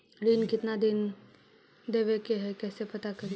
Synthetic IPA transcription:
ɾiːnkɪt̪nad̪ɪn | d̪eːʋekeɦɛkɛːsepɐt̪akɐɾi

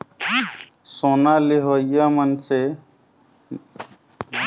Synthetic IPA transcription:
soːnaliɦojjamənse

